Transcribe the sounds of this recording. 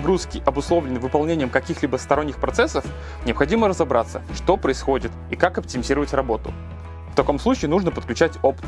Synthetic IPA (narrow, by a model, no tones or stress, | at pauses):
ɡɾuskʲɪʔɐbʊslˠovlʲɪnɨvɨpɐlˠnʲenʲɪjəmkɐkʲixlʲibəst̪ɐɾo̞nʲːɪxpɾɐt̪sɛsːəf | nʲɪɐpxɐdʲiməɾəzɐbɾa̰t̪sːə̰ʂt̪o̞pɾəɪsxo̞dʲɪt̪ikakɐp̚tʲɪmʲɪzʲiɾəvətʲrɐbo̞t̪ʊ̰ | ft̪ɐko̞msˠut͡ɕɪːnuʐnəpət̪̚klʲʉt͡ɕætʲopt̪